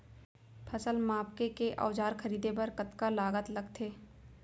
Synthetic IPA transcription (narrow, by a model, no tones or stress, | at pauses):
pʰɐsəlmaːpkekeʔɔ̰ːd͡ʒaːɾxkʰəɾiːd̪epɐɾkət̪kalaːɡət̪lɐɡt̪ʰeː